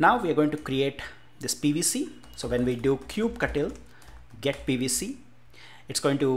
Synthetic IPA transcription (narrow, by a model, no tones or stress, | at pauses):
naʊʋiːaɾɡoːɪ̃ŋʈukɾieːʈ | d̪ɪspiːʋiːsiː | soːʋɛ̃nʋiːɖuːkʰjuːb̚kɐʈɪl | ɡɛʈ̚piːʋisi | ɪʈsɡoːɪ̃ŋʈu